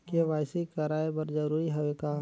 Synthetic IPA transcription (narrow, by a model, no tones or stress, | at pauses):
keʋaːɪsikɐɾaːebɐɾd͡ʒəɾuːɾiɦɐʋekaː